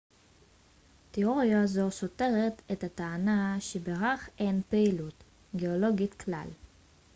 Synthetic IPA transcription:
teoʁjazoso̞te̞ʁet̪ethat̪aːnaʃebeʁaχenpeilut̪ | ɡeolo̞ɡitkla̰l

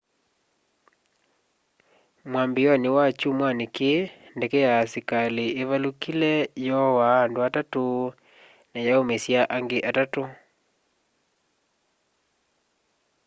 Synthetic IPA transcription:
mwambijɔnewat͡ʃumwanekendɛkɛjasikaleʔeβalukilɛjɔwaːndoatato | najaomesjaʔaŋɡeʔatato

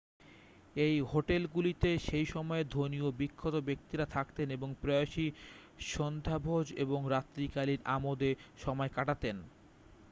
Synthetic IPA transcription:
ejɦoʈelɡulit̪eʃejʃɔmɔed̪ʱoniobikʰːot̪obek̚t̪iɾat̪ʰakt̪eneboŋpɾojaʃiʃond̪ʱabʱod͡ʑeboŋɾat̪ːɾikaliɾa̰mod̪eʃɔmɔekaʈat̪en

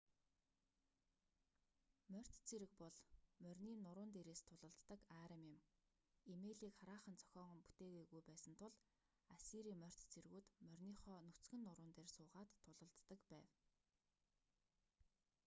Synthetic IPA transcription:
mœr̥t̪t͡sʰiɾɘ̆k̚pɔɮmœrʲniːnʊɾʊːnt̪eɾeːst̪ʰʊɮə̆ɮt̪ːə̆kaɾəmjɪ̆m | imeɮiːkχaɾaːχə̆nt͡sʰœ̥xʲɔːʁɢɞ̆mpu̥t̪eːɣeːɣujpæːsə̆nt̪ʰʊɮ | asiɾiːmœr̥ʲt̪t͡sʰirɣuːt̪mœrʲniːχɔːnɵt͡sɡɘ̆nːʊɾʊːnt̪eːrsʊːʁaːt̪ʰːʊɮə̆ɮt̪ːə̆kpæːw

